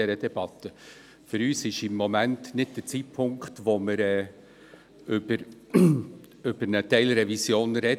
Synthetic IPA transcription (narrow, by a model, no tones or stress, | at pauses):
ɛɾəd̥ɛb̥ɑt̪ə | fʏɾyːsɪʃɪmːomæntnɪd̚d̥ət͡sit̚pʰʊŋkt̪ʋoməɾɛː | ʏbəɾ | ʏb̥əɾnətɛɪlɾɛvisjoːnɾɛ